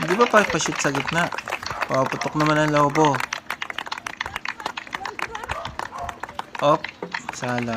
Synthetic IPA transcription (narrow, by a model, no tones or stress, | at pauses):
d̪ɪbapapɐʃʊt̪̚sɐɡɪt̪̚naʔpapʊt̪ok̚nɐmanɐŋlabo | ʔop̚sala